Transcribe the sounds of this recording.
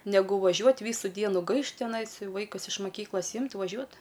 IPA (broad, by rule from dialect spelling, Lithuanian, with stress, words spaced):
nʲɛˈɡʊ ʋɐˈʒʲuɔtʲ ˈʋʲiːsʊ ˈdʲiɛnʊ ˈɡɐɪʃt tʲɪˈnɐɪs ˈʋɐɪkʊs ɪʃ mɐˈkʲiːklˠɐs ˈɪmʲtʲ ʋɐˈʒʲuɔt